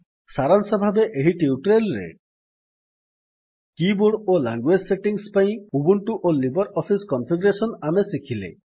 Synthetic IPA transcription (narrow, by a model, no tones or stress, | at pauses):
saɾansɔbʱabeʔeɦiʈiuʈɾelɾḛ | kibuɽola̰ŋɡwed͡ʒseʈiŋspaĩubuɳʈuʔolibɔɾɔpʰiskɔnpʰiɖɔɾesɔnamesikʰilḛ